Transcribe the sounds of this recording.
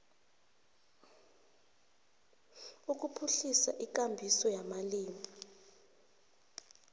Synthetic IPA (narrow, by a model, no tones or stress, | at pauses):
uk̬ʼupʰuɬisa̰ʔik̬ʼambʱisɔjamaliːmi